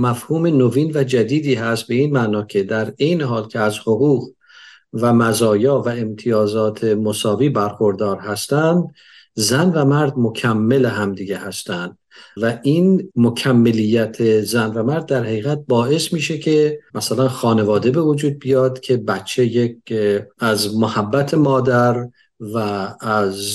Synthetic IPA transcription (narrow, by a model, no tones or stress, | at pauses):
mæfhuːme̞noviːnvæd͡ʒæd̪iːd̪iːɦæst̪̚be̞iːnmænɒːcʰe̞d̪æɾe̞jneɦɒːlcʲʰeæzhoɣuːɣ | væmæzɒːjɒːvæe̞mt̪ʰijɒːzɒːt̪ʰe̞mo̞sɒːviːbæɾxoɾd̪ɒːɾɦæst̪ænd̪ | zænvæmæɾd̪mo̞cʰæmːe̞leɦæmd̪iɡehæst̪ænd̪ | væʔinmocʰæmːe̞lijːæt̪ʰezænvæmæɾd̪̚ːæɾhæɣiːɣæt̪̚bɒːe̞smiːʃe̞cʰe̞mʔæsælænxɒːne̞vɒːd̪e̞be̞vod͡ʒuːd̪̚bijɒːd̪̥cʰe̞bætt͡ʃʰːe̞jekæzmohæbːæt̪ʰemɒːd̪æɾ | væːz